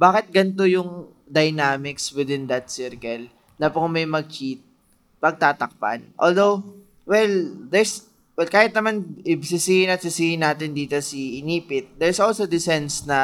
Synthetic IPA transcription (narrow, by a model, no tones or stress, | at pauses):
baːkɪt̪̚ɡɐnt̪ojʊŋ | d̪ɐjnaːmɪkswɪd̪ɪnd̪ɐt̪̚sɪɹkɐl | nɐpʊŋmɐjmɐɡ̚kit̪̚ | pɐɡ̚t̪aːt̪ɐk̚pa̰nʔold̪ow | wɛld̪ɛɹs | wɛlkaːhɪt̪̚nɐmanʔɪbsɪsiːhɪnɐt̪̚sɪsiːhɪnːaːt̪ɪnd̪iːt̪osiʔɪniːpɪt̪̚d̪ɛɹsʔolsod̪ɪsɛnsnɐ